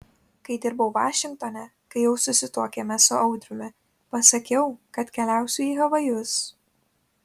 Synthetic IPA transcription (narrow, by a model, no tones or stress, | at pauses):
kɐɪd̪ʲɪɾbɐʊʋɑːʃʲɪŋk̚t̪ɔnʲɛ | kɐɪjɛʊsʊsʲɪt̪uɔkʲeːmʲɛsʊɐʊd̪ʲɾʲʊmʲɪ | pɐsɐkʲɛʊkɐt̪kʲɛlʲæˑʊsʲuiːɦɐʋɐjʊs